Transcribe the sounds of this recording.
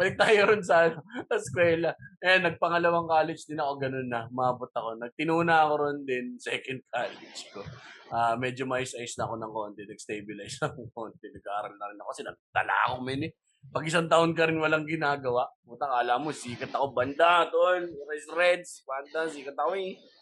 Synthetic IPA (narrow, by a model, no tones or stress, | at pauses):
mɐlɪk̚t̪aːjoɾʊnsanosɐskwɛːlɐʔɐjanːɐɡ̚pɐŋɐlɐwaŋkaːlɛt͡ʃd̪ɪnɐko̞ɡɐno̞nːɐmɐaːbot̪̚ɐko̞nɐɡ̚t̪ɪnuːnɐɐko̞ɾond̪ɛnsɛkɐnd̪̚kʰaːlɛd͡ʒko̞ʔaːmɛːd͡ʒomɐjɪsʔɐjʊsnɐɐko̞nɐŋkont̪ɛnɐɡ̚st̪ejbɪlajsɐŋkont̪ɛnɐɡaːɾɐlnɐɾɪnɐkokɐsɛnɐ̰ɡ̚t̪ɐ̰la̰ːɐ̰komɛnɛ | pɐɡɪsant̪ɐʔonk̬ɐɾɪnwɐlaŋɡɪnaːɡɐwaʔmʊnt̪akaɐlamosiːkɐt̪ɐkoband̪ad̪oʔonɾajsɾɛd̪sband̪asiːkɐt̪̚ːɐkoi